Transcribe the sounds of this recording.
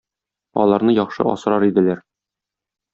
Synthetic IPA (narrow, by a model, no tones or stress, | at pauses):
ɒ̰lˠɑɾnɤjɒχʃɤ̰ʔɒ̰sɤ̆ɾɑɾid̪ɘ̆læɾ